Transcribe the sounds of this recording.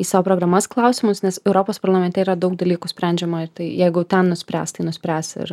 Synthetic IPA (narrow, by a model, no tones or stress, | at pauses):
iːsɑːʋoːpɾoːɡɾɐmɐsklˠɐʊsʲɪmʊsnʲɛsɛʊɾoːpoːspɐɾlˠɐmʲɛnʲt̪ʲɛiːɾɐd̪ɐʊk̚d̪ɐlʲiːkʊsʲpʲɾʲæˑnʲd͡ʒʲɛmoɪɾt̪ɐɪjɛɪɡʊt̪ʲɛnnʊsʲpʲɾʲæ̰ːst̪ɐɪnʊsʲpʲɾʲæːsɪ̰ɾ